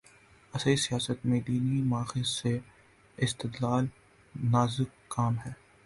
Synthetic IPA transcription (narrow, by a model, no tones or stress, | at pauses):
ɐsisijaːsət̪mẽd̪iːnimaːxɪse | ɪst̪ɪd̪laːl | naːzɪkːaːmɦɛː